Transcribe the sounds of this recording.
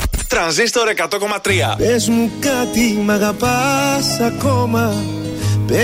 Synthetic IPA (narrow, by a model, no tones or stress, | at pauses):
t̪ɾɐnzist̪oɾekɐt̪okomɐt̪ɾiɐ̰ezmukat̪imɐɣɐpasɐkomɐ | pe